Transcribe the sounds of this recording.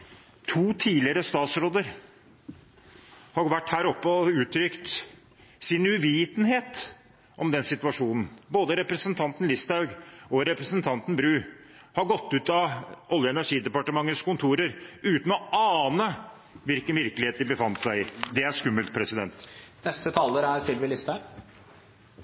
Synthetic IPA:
t̪ʰuːt̪ʰiːlɪəɾəst̪ɑːt̪sɾoːd̪əɾ | hɑʋæʈːhæːɾɔpːəɔʉːt̪ʰɾʏkt̪ | sɪnʉʋiːt̪nheːt̪ | ʔɔmd̪ɛnsɪt̪ʉʋɑʂuːnn̩boːd̪əɾɛpɾəsənt̪ʰɑnt̪n̩lɪst̪ɑʉɡɔɾɛpɾəsənt̪ʰɑnt̪n̩bɾʉː | hɑɾɡɔt̪ːʉːt̪ɑʔɔljəɛnæʂiːd̪ɛpɑʈəmɑŋːəskʰʊnt̪ʰuːɾəɾʉːt̪n̩ɔɑːnə | ʋɪlkənʋɪɾkəlɪeːt̪̚d̪ɪbəfɑnt̪sæɪɪd̪ɛæʂkʉmːəlt̪̚pʰɾɛsɪd̪ɛnt̪nɛst̪ət̪ʰɑːləɾæɾsɪlʋɪəlɪst̪ɑ

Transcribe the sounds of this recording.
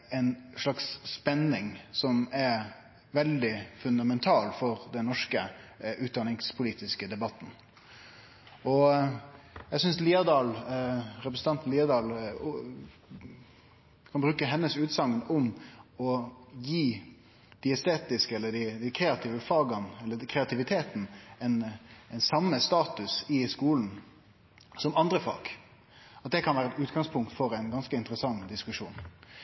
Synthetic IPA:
ɛɪnʂlɑksːpɛnɪŋsɔmɛɾ | ʋɛld̪ɪfʉnd̪ɑmɛnt̪ʰɑːlfɔɾd̪ɛnːɔʂkəʔʉːt̪̚d̪ɑnɪŋspʰʊliːt̪ɪskəd̪ɛbɑt̪ːn | ɔ | jæɪsʏnsliːɑd̪ɑːlɾɛpɾəsn̩t̪ɑnt̪nliːɑd̪ɑːl | kʰɑnbɾʉːkəɦɛnːəsʉːt̪sɑŋːənʊmɔjiː | d̪̥ɪɛst̪eːt̪ɪskəɛlːəɖ̪æd̪ɪkʰɾeːɑt̪ʰiːʋəfɑːɡɑnɛlːəkʰɾɛɑt̪ʰɪʋɪt̪ʰeːt̪n̩ɛnɛnsɑmːəst̪ɑːt̪ʉsɪskuːln̩ | sɔmɑnd̪ɾəfɑ̰ːɡ̥ | ɑt̪̚d̪ɛkʰɑnʋæːɾəɛt̪ʉːt̪ɡɑŋspʰʊŋk̚t̪fɔɾæɪnɡɑnskəɪnt̪əɾəsɑŋːd̪ɪskʉʂṵːn

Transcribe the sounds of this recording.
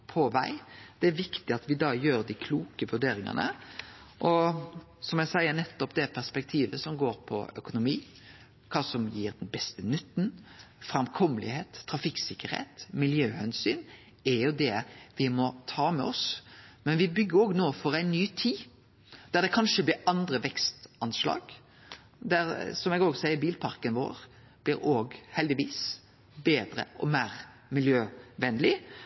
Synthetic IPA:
pʰɔʋæ̰ɪd̪̥ɛæɾʋɪkt̪ɪɑt̪ʋɪd̪ɑːjøːɾd̪ɪkʰluːkəʋʉɖeːɾɪŋɑ̰nə̰ | ʔɔ | sɔmjæsæɪəɾnɛt̪ːɔpd̪ɛpʰæʁspɛk̚t̪ʰiːʋəsɔmɡoːɾpʰɔ̰œ̰kʊnʊmiː | kʰɑːsɔmjiːɾd̪ɛnbɛst̪ənʏt̪ːn̩fɾɑmkʰɔmːəlɪ̰heːt̪ʰːɾɑfɪksɪkːəɾhḛːt̪mɪljøːhɛnsyːn | ɛɾjʊd̪ɛʋɪmɔt̪ʰɑːmɛ̰ɔsmɛnʋɪbʏɡːəɾoːɡnoːfɔɾæɪnːyːt̪ʰiː | d̪̥æʁd̪ɛkʰɑnʃəblɪɾɑnd̪ɾəʋɛkst̪ɑnslɑ̰ːɡ | d̪æɾsɔmɛɡoːɡsæɪəɾbiːlpʰɑɾkənʋo̰ːɾ | b̥lɪːɾoːɡhɛld̪ɪʋiːs | beːd̪ɾə̰ɔ̰mæːɾ | mɪljøːʋɛnlɪ

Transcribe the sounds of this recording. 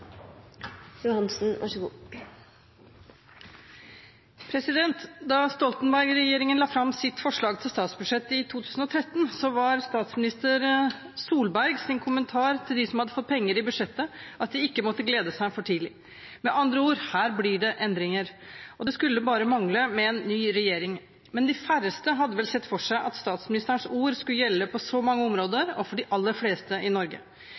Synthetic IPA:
jʊhɑnsn̩ʋʔɑ̰ʂəɡuː | pʰɾɛsɪd̪ɛnt̪d̪ɑst̪ɔlt̪nbæɾɡɾɛjeːɾɪŋənlɑːfɾɑmsɪt̪fɔʂɭɑːɡ̚t̪ʰɪlst̪ɑːt̪sbʉd̪ʂɛt̪ːɪt̪ʰuːt̪ʰʉːsn̩ɔt̪ʰɾɛt̪ːnsɔʋɑɾst̪ɑːt̪smɪnɪst̪əɾ | suːlbæɾɡsɪnkʰʊmənt̪ʰɑːɾt̪ʰɪld̪ɪsɔmhɑd̪ːəfɔt̪̚pʰɛŋːəɾɪbʉd̪ʂɛt̪ːəʔɑt̪̚d̪ɪɪkːəmɔt̪ːəɡleːd̪əsæɪfɔʈʰiːlɪ | mɛʔɑnd̪ɾəuːɾhæːɾblɪɖɛʔɛnd̪ɾɪŋəɾɔd̪ɛskʉlːəbɑːɾəmɑŋləmɛɛnːyːɾɛjeːɾɪŋ | mɛnd̪ɪfæɾəst̪əɦɑd̪ːəʋɛlsɛt̪ːfɔʂæɪʔɑ̰t̪st̪ɑːt̪smɪnɪst̪əɳsuːɾskʉlːəjɛlːəpʰɔsɔmɑŋːəɔmɾoːd̪əɾɔfɔɖɪʔɑlːəɾfleːst̪əʔɪnɔɾɡə̰

